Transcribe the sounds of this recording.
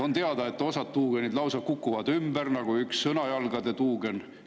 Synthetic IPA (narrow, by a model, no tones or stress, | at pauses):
ont̪eɑd̪ɑe̞t̪ːo̞sɑt̪t̪uːɡ̥enid̪lɑwsɑkukːuvɑd̪ymbærnɑɡ̥uyksːɤnɑjɑlɡ̥ɑd̪e̞t̪uːɡ̥e̞n